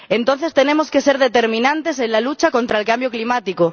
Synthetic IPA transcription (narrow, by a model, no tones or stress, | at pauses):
ẽ̞nt̪o̞n̟θe̞st̪e̞nẽ̞mo̞ske̞se̞ɾðe̞t̪e̞ɾmĩnãnt̪e̞s̬e̞nlalut͡ʃako̞nt̪ɾaelkambjo̞klimat̪iko